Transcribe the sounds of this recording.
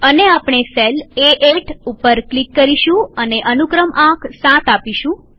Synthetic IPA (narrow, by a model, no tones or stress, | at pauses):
əneapɳ̃eseleʔeʈʰupəɾklikːəɾiʃũəneʔənukɾəmʔãkʰsãt̪apiʃũ